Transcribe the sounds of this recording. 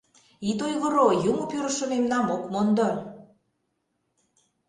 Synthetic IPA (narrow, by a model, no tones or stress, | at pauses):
it̪ojɣə̆ɾojumŏpøɾə̆ʃə̆memnɑmokmond̪o